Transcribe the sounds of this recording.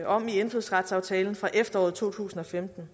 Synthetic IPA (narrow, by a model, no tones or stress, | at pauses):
ʔɒ̽m̰ienfuðˠsʁɑ̈d̥sɑ̈ʊt͡sʰɛːln̩fʁɑ̈ʔefd̥ɐɒ̰ːð̩ˠt͡sʰo̝̰ːt͡sʰṵːsn̩ɒ̽femd̥n̩